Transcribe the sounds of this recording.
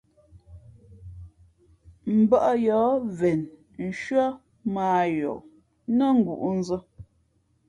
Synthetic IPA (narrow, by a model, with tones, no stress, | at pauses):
m̩˨bə˦ʔjɔː˨˦vɛ˨n | n̩˨ʃɥə˦ | maː˨jo̰˨ | nə˦ŋ̩˦ɡṵ˨ʔn̩˦zə˦